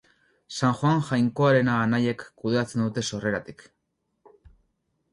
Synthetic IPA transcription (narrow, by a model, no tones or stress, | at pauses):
saŋxoaŋʝajŋko̞aɾe̞naɣanaje̞kːuð̞e̞at͡se̞nd̪ut̪e̞so̞re̞ɾat̪i̥k